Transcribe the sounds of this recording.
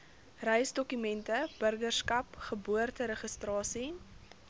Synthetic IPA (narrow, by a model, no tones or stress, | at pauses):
rɛjsdɔkymɛntəbərɡərskɐpχəbuərtəɾəχəstrɑːsi